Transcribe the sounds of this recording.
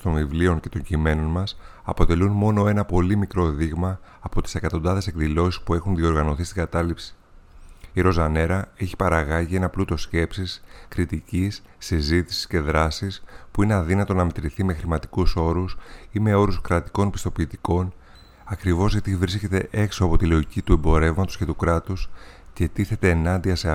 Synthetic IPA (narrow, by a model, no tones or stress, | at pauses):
st̪o̞nvivlio̞ɲce̞t̪o̞ɲɟime̞no̞nmɐs | ɐpo̞t̪e̞lunmo̞no̞e̞nɐpo̞limikɾo̞ðiɣmɐːpo̞t̪i̥se̞kɐt̪o̞nd̪ɐðe̞se̞kðilo̞sispue̞xunðio̞ɾɣɐno̞θist̪iŋɡɐt̪ɐlipsi̥ | iɾo̞zɐne̞ɾɐe̞çi̥pɐɾɐɣɐʝie̞nɐplut̪o̞sce̞psiskɾit̪icisːizit̪i̥si̥sce̞ðɾɐsispuineɐðinɐt̪o̞nɐmet̪ɾiθime̞xɾimɐt̪i̥kuso̞ɾusime̞o̞ɾuskɾɐt̪i̥ko̞npi̥st̪o̞piːt̪iko̞n | ɐkɾivo̞zʝɐt̪ivɾisce̞t̪e̞ʔe̞ksoɐpo̞t̪ilo̞icit̪uembo̞ɾe̞vmɐt̪osce̞t̪ukɾɐt̪usce̞t̪iθe̞t̪e̞ːnɐnd̪iɐse